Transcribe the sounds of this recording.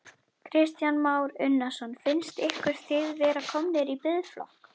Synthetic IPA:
kʰɾɪst̪janmaːwɾʏnːasɔnfɪnst̪ɪhkʏɾ̥θɪðvɛːɾakʰɔmnɪɾipɪðflɔ̰hk

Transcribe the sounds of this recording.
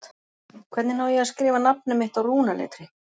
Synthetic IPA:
t̪ | kʰv̥ɛɾt̪nɪnaːwjɛɣaskɾɪːvanap̚nʏmɪht̪awruːnalḛːt̪ɾɪ

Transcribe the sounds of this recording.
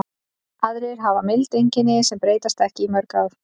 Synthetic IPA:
aðɾɪɾ̥ɦavamɪlt̪ejɲcɪnɪsɛmpɾeːjt̪ast̪ɛhcɪimœɾkaɾ

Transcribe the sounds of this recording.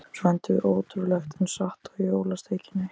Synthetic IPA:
svɛnt̪ɪʔoːwt̪ɾulɛxt̪ɪnsaht̪aɣjoːwlast̪ʰeːjcɪnːɪ

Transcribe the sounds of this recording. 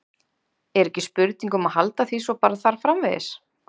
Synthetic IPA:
ɛɾɛhcːɪspʏɾt̪̚niŋkʏmahalt̪aθvisvɔpaːɾaθaɾ̥fɾamvɛðɪ̰s

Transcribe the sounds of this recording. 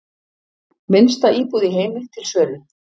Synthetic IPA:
mɪnst̪aiːpuðɪɦeːjmɪt̪ʰɪlsœːlʏ

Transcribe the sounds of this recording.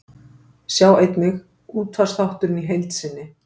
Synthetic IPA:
sjaːwejt̪nɪx | uːt̪ʰfarsθawht̪ʏɾɪniɦejlt̪sɪnːɪ

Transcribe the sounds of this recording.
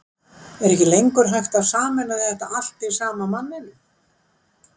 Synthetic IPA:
ɛɾɛhcɪlejŋkʏɾ̥ɦajxt̪awsaːmɛnaðɪðɛht̪aal̥t̪ɪvsaːmamanːɪnʏ

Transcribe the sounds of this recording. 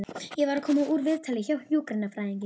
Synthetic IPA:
ɪjɛɣvaɾakʰɔːmuʔuɾvɪðt̪ʰalɪçawjukɾɪnːafɾajɪɲcɪ

